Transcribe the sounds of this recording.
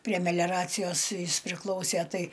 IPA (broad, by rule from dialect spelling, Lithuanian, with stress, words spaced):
pʲrʲiɛ mʲɛˈlʲæːrɐt͡sʲɪjoːs ˈjɪs pʲrʲɪˈklˠɐʊsʲeː ˈtɐɪ